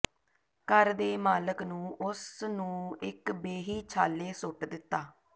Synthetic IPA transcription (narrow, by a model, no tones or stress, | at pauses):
kəɾd̪eːmaːləknũːʔʊsnũːɪkbeːɦiːt͡ʃʰaːleːsʊʈd̪ɪt̪ːaː